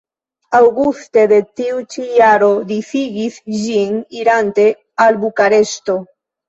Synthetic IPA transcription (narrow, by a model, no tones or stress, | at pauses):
awɡust̪e̞ðe̞t̪iut͡ʃijaɾo̞d̪ifiɡisʒiniɾant̪e̞ | albukaɾe̞st̪o̞